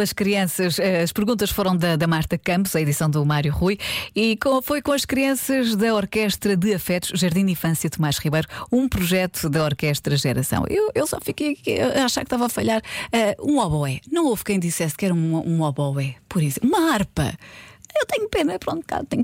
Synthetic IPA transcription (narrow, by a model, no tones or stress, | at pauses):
ɐʃkɾiɐ̃sɐʃɛɐʃpɨɾɣũnt̪̬ɐʃfoɾɐ̃w̃d̪ɐd̪ɐmaɾt̪ɐkɐ̃mpuzɐiðisɐ̃w̃d̪umaɾjuʁujikõfojkõɐʃkɾiɐ̃sɐʒðɐɔɾkɛʃt̪ɾɐðɨɐfɛt̪uʃʒɐɾðĩnd̪ifɐ̃sjɐt̪umaʃʁiβɐjɾuũpɾuʒɛt̪u̥ðɐɔɾkɛʃt̪ɾɐʒɛɾɐsɐ̰̃w̃ʔewewsɔ̰fikejɐkiaʃaɾkt̪avafɐʎaɾɛũɔβɔɛnɐ̃w̃ov̥kɐ̃j̃d̪isɛskɛɾũũɔβɔwɛpɔɾisumɐaɾpɐ̰ewt̪ɛɲupenɐpɾõnka̰ðt̪ɛɲ